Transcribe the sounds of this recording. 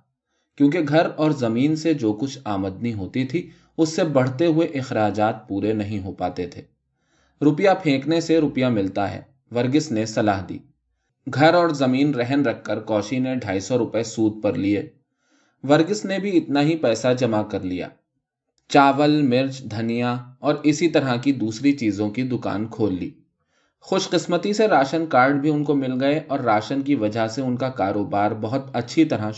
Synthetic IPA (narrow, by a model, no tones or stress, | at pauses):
kjõːk̬eɡʱɐɾɔːɾzɐmiːnsed͡ʒoːkʊt͡ʃʰaːməd̪niɦoːt̪it̪ʰi | ʊsːebɐɽ̤t̪eɦʊeʔɪxɾaːd͡ʒaːt̪̚puːɾenɐɦĩɦopaːt̪et̪ʰeː | ɾʊpjapʰẽːkneseɾʊpjamɪlt̪aɦɛ̰ː | ʋɐɾɡɪsnesɐlaːɦd̪ḭː | ɡʱɐɾɔːɾzɐmiːnɾɛɦənɾɐkʰːəɾkɔːʃineɖʱaːisɔɾʊpesuːd̪̚pɐɾlieː | ʋɐɾɡɪsnebʱiɪt̪naɦipɛːsad͡ʒɐmakɐɾlija̰ː | t͡ʃaːʋəlmɪɾd͡ʒd̪ʱɐnijaɔːɾɪsit̪ɐɾakid̪uːsɾit͡ʃiːzõkid̪ʊka̰ːnkʰoːlːḭː | xʊʃqɪsmət̪iseɾaːʃənkaːɾɖbʱiʊnkomɪlɡɐeʔɔːɾːaːʃənk̬iʋɐd͡ʒʱaseʊnkakaːɾoːbaːɾbɐɦʊt̪ɐtːʃʰit̪ɐɾa